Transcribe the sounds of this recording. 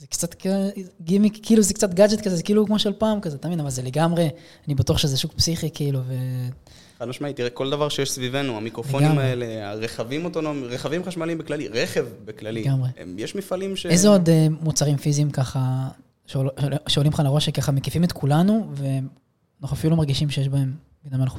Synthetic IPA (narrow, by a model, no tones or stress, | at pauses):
zekt͡sat̪kɡimikiiːluzekt͡sat̪ɡad͡ʒet̪kazezekiːlukmoʃealpaːmkazeat̪aːvinavalzele̞ɡamʁe̞ | anibatuaχʃezeʃukpsiχikiiluve̞ | anaʃmait̪iʁeko̞ld̪avaʁʃejeʃsvive̞nuamikʁo̞lfeoɡniamaele̞a̰ʁeχavimot̪o̞nomiʁeχavimχaʃmalimbeklaliʁeχevbeklaliɡamʁeḛmjeʃmifalimʃeezeod̪emut͡saʁimfiziːmkaχa | ʃeʃeolimχanlaʁo̞ʃekaχamekifimet̪kʰulanuve̞ | noχafiulomaʁɡiʃimʃejeʃbae̞m | binamalχu